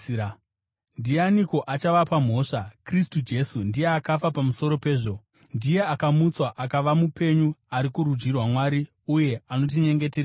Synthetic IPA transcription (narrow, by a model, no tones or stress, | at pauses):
ndianiko̞ʔat͡ʃaʋapam̤o̞ːʂakristud͡ʒe̞sundije̞akafapamuso̞ɾo̞pe̞ːʐo̞ | ndije̞akamut͡swaʔakaʋamupe̞ɲuaɾikurud͡ʒirwamwaːɾi | uje̞ano̞t̬iɲe̞ŋɡe̞ter